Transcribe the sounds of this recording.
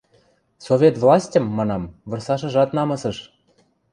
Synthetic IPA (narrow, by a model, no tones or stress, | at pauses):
sovʲet̪vlɑsʲtʲɤ̆mːɑnɑmvɤ̆rsɑʃɤ̆ʒɑt̪nɑmɤ̆sɤ̆ʃ